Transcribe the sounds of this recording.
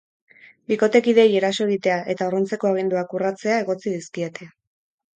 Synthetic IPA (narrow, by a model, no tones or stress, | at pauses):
biko̞t̪e̞kiðe̞je̞ɾaso̞e̞ɣ̞it̪e̞aʔe̞t̪aoront͡se̞ko̞aɣ̞ind̪uakurat͡se̞ae̞ɣo̞t͡siðiskiet̪ʰe̞